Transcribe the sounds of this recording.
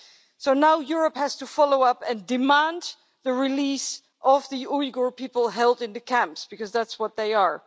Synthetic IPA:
soʊnaʊjʊɹəphæz̥təfɑloʊʌpɨ̃ndɨmæ̃nd | ðɨɹɪlis | ʔʌvðiuiɡɔɹpipl̩ˠɦɛlˠdɨ̃nðɨkʰæ̃mpsb̥ɨkʌzðætswʌt̪̚ðeɪə˞

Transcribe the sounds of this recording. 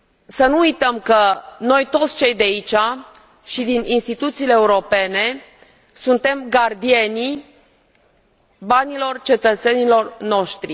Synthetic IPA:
sənuujt̪əmkəno̞jt̪o̞t̪sʲt͡ʃe̞jd̪eait͡ʃa | ʃid̪ininst̪it̪ut̪siːleːuɾo̞pe̞ne̞ | sunt̪e̞mɡard̪ie̞ni | banilo̞rt͡ʃe̞t̪ət̪se̞nilo̞rno̞ʃt̪ɾi

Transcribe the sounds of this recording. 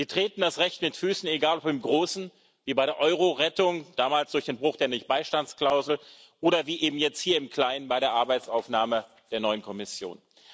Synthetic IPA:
z̥iːtʁ̥eːtn̩dasʁɛçtmɪtfyːsn̩eɡaːlɔpɪmɡʁoːsn̩ | viːbaɪɾeɐʔɔʏʁ̞oʁɛtʊŋd̥aːmaːlsd̥ʊɐçd̥eːnbʁʊχd̥eːɐnɪçb̥aɪʃtant͡skl̥aʊzl̩ | ʔoːɾɐviːʔeːbm̩jɛt͡sthiːɐɪmkl̥aɪnənbaɪɾeːɐʔaɐbaɪt͡saʊfnaːmə | d̥eːɐnɔʏənkʰɔmɪsjo̰ːn

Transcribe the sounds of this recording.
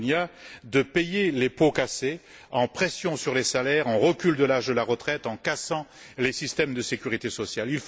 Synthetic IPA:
nad̪əpɛjelepokase | ɑ̃pχɛsjɔ̃syʁlesalɛʁɑ̃ʁəkʲyld̪əlaʒd̪əlaʁət̪χɛt̪ɑ̃kasɑ̃ | lesist̪ɛmd̪əsekʲyʁit̪esɔsjalilf

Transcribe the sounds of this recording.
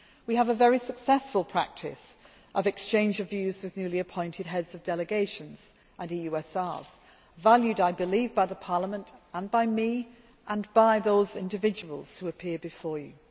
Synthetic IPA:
wiəvəvɛɹisəksɛsfəlˠpʰɹ̥æ̰k̚tʰɪ̰s | ʔʌvɨkst͡ʃʰẽɪ̃nd͡ʒʌvjʉzwɨðnjʉliɨpʰɔ̃ɪ̃ntʰɨd̚ɦɛdz̥ʌvdɛlˠɨɡeɪʃɨ̃nz̥ | ʔə̃nijʉɛsɑz̥ | valˠjʉɾaɪbɨlivbaɪðəpʰɑɹləmə̃ntə̃nbaɪmi | ʔə̃nbaɪðoʊzɪ̃ndɨvɪd͡ʒəwə̰lˠz̥huəpʰɪəbɨfɔːɹjʉ̰

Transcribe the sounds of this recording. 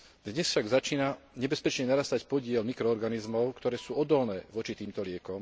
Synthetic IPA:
d̪ɲɛsfʃaɡzat͡ʃiːna | ɲɛbɛspɛt͡ʃɲɛnaɾaːst̪acpɔɟɪɛlmikɾɔːɾɡanizmɔʊkt̪ɔɾɛːsuːɔd̪ɔlnɛːʋɔt͡ʃit̪iːmt̪ɔlɪɛkɔm

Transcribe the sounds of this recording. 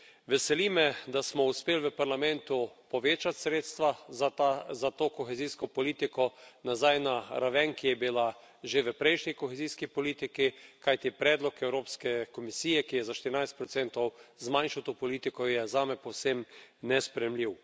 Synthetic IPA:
ʋɛsɛlimɛd̪asmɔuspeːlʋəpaɾlamɛ̃nt̪upɔʋeːt͡ʃat̪sɾeːt̪st̪ʋa | zat̪oːkɔxɛziːskɔpɔliːt̪ikɔnazajnaɾaʋɛŋkijɛbila | ʒeʋəpɾɛjʃnʲikɔxeziːskipɔliːt̪ikikajt̪ipɾɛːd̪lɔkɛwɾoːpskɛkɔmisiːjɛkijɛzaʃt̪ɪɾinajst̪pɾɔt̪sɛnt̪ɔwzmanʃawt̪opɔliːt̪ikɔjɛzaːmɛpɔwsemnɛspɾɛjɛmliw

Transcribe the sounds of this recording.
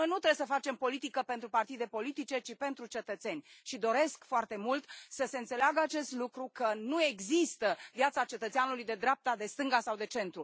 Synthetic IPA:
ojnut̪ɾebjesəfat͡ʃe̞mpo̞lit̪ikəpe̞nt̪ɾupart̪id̪e̞po̞lit̪it͡ʃe̞t͡ʃipe̞nt̪ɾut͡ʃe̞t̪ət̪se̞nʲʃid̪o̞ɾe̞skfoart̪e̞mult̪səse̞nt̪se̞leaɡəat͡ʃe̞st̪lukɾukənue̞ɡzist̪əvjat̪sat͡ʃe̞t̪ət̪seanulujd̪e̞d̪ɾeap̚t̪ad̪e̞st̪ɨŋɡasawd̪e̞t͡ʃe̞nt̪ɾu

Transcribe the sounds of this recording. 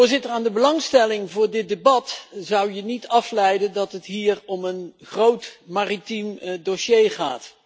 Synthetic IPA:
ʊːɹzɪtəɹaːndəbəlɑŋstɛlɪŋvʊːɹdɪt̚debɑtzʌwjənitɑflɛjdəndɑtɦətɦiːɹɔmənχrowtmaːritimdoʃejχa̰ːt

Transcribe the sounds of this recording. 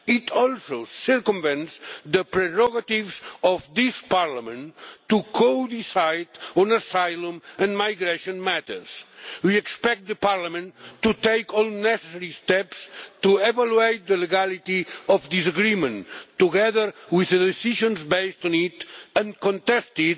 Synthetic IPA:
it̪ʰɔlˠsosəɾkɔ̃mvɛ̃nsd̪əpɾɛɹɔɡat̪ivzɔfd̪ispaɾlamə̃nt̪ːukʰod̪isajd̪ɔ̃nasajlə̃mə̃nmajɡɾeʃõnmæt̪ə̰ɾswiɛkspɛk̚t̪̚ðəpaɾlamə̃nt̪ːut̪ejkɔlˠnɛsesɛɾist̪ɛpst̪uevaluejt̪̚d̪əleɡalit̪iɔfd̪isaɡɾimə̃nt̪ːuɡɛðəɾwiðəðesiʒɔ̃nzbejst̪ɔ̃nit̪ə̃nkɔ̃nt̪ɛst̪id̪

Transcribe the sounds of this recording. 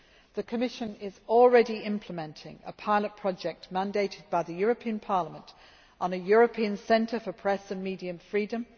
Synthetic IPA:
ðəkʰəmɪʃə̃nɪzɔlˠɹɛdiɪ̃mpʰləmɛ̃ntʰɪ̰̃ŋə̰pʰaɪlət̚pʰɹ̥ɒd͡ʒɛk̚tmæ̃ndeɪtɪd̚baɪðəjɔːɹəpʰĩə̃npʰɑləmə̃nt | n̩əjɔɹəpʰĩə̃nsɛ̃ntʰəfəpʰɹ̥ɛsə̃nmiːdiə̃ɱfɹiːdə̃m

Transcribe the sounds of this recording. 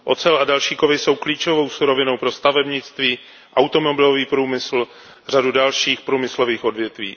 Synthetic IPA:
ʔo̞t͡sɛladalʃiːkovɪso̞wkliːt͡ʃovo̞wsuɾo̞vɪno̞wpɾo̞st̪avɛbɲɪt͡st̪viː | ʔawt̪o̞mobɪloviːpɾuːmɪsl̩ | r̝adudalʃiːxpɾuːmɪsloviːxo̞dvjɛt̪vḭː

